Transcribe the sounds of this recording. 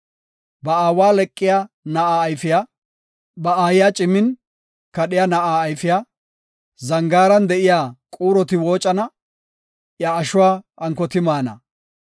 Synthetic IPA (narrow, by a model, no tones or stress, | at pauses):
bɐaːwaːlɛkʼːɪja | nɐʔaːjfɪja | bɐaːjɪjat͡ʃʼɪmːɪn | kɐɗɪjaːnɐʔaːjfɪja | zɐŋɡaːɾɐnd̪ɛʔɪjaːkʼuːɾɔt̪ɪwo̞ːt͡ʃʼɐnɐ | jaːʃʊwaːʔɐŋkɔt̪ɪmaːnɐ̰